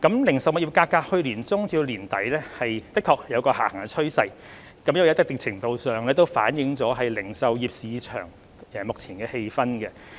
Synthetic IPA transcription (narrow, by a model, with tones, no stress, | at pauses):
kɐ˨˥mlɪ˨˩ŋsɐ˨˩wmʊ˨k̚jiː˨p̚kaː˧kaː˧t̚hɵ˧ɥliː˨˩nt͡sʊ˥ŋt͡siː˧wliː˨˩nt̪ɐ˨˥jlɛː˥hɐ˨jt̪ɪ˥kʰːɔː˨˩k̚jɐ˨˧wkɔː˧ha̰ː˨˩hɐ˨˩ŋɛ˧t͡ʃʰɵ˥ɥsɐ˧j | kɐ˨˥mjɐ˥wjt̪ɪ˥kt̪ɪ˨ŋ̚t͡sʰɪ˨˩ŋt̪o˨˧wsœː˨ŋlɛ˥t̪o˥wfa̰ː˨˥njɪ˨˥ŋt͡sɔː˨˥ɦɐ˨jlɪ˨˩ŋsɐ˨wjiː˨p̚siː˨˧˥t͡ʃʰœ̰ː˨˩ŋ | ɛː˨mʊ˨k̚t͡sʰiː˨˩nkɛː˧he˧jfɐ˥nkɛ˧